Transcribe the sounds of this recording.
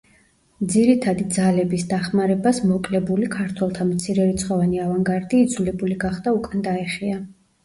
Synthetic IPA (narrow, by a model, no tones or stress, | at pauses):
d̪ziɾit̪ʰad̪id̪zalɛbisd̪aχmaɾɛbasmɔkʼlɛbulikʰaɾt̪ʰwɛlˠt̪ʰamt̪sʰiɾɛɾit̪sʰχɔvaniavaŋɡaɾd̪iːd̪zulɛbuliɡaχd̪aukʼand̪aɛχia